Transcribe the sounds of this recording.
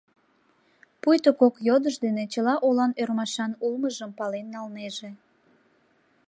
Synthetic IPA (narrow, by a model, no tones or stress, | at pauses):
pujt̪okokjod̪əʒd̪enet͡ɕəlɑʔolɑnørmɑʃɑnulməʒəmpɑlenːɑlneʒe